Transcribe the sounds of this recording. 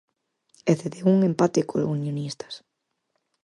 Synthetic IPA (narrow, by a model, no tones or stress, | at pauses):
eθeðeuŋẽmpat̪ekʰolunjonist̪ḁs